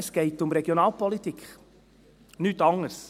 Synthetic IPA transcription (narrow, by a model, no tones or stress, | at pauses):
sɡ̥ɛɪtʊmɾɛɡjonɑːlˠpɔlitikχ | nyːtɑŋəɾs